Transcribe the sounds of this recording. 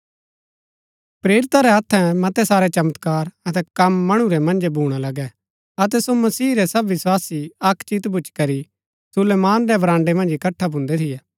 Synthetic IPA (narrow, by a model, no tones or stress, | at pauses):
pɾeːɾɪt̪aɾɛɐt̪ʰːɛ̃mɐt̪ɛsaːɾɛt͡ʃɐmət̪kaːɾɐt̪ɛkɐmːɐɽ̃uɾɛmɐ̃nd͡ʒbʱuːɽ̃alɐɡɛ | ɐt̪ɛsomɐsiːɾɛsɐbʋɪswaːsiɐkʰt͡ʃit̪bʱʊt͡ʃkɐɾi | sʊleːmaːnɾɛbɾãːɳɖemɐ̃nd͡ʒɪkɐʈʰːabʱʊ̃nd̪ɛt̪ʰɪjɛː